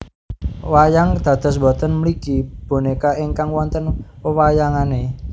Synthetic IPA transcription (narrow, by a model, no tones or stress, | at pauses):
wajaŋd̪̥ä̤d̪̥ɔ̤s̬bɔt̪ənməlikib̥o̤nekaiŋkaŋwɔnt̪ənwəwajaŋane